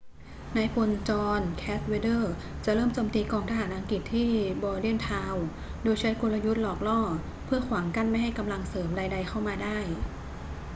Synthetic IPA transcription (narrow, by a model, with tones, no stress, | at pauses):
naː˧jpʰo˧nt͡ɕɔː˧nkʰɛː˦˥s̚we˧˥dɤː˥˩ | t͡ɕa˨˩ʔɾɤː˥˩mt͡ɕoː˧mt̪iː˧kɔː˧ŋt̪ʰa˧ɦaː˩˦nʔa˧ŋki˨˩t̪ʰːiː˥˩bɔː˧li˥˩˨nt̪ʰaː˧w | doː˧jt͡ɕʰa˦˥nko˧la˧ju˦˥t̪̚lɔː˨˩k̚lɔː˥˩ | pʰɯ˥˩ɐkʰwaː˩˦ŋka˥˩nma˥˩jɦa˥˩jka˧mla˧ŋsɤː˩˦mdaː˧jda˧jkʰa˥˩wmaː˧daː˥˩j